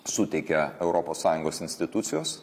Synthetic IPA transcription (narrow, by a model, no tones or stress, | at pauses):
sʊt̪ʲɛɪkʲɛɛʊɾʔopoːsɑːjʊŋɡoːsɪnʲsʲt̪ʲɪt̪ʊt̪sʲɪjoːs